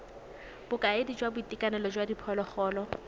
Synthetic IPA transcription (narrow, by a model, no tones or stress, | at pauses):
b̥ʊkʼaedid͡ʒwabʊitʼikʼanɛlɔd͡ʒwadipʰɔlɔχɔːlɔ